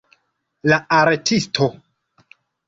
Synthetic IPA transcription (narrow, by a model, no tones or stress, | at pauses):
laaɾtʰistʰo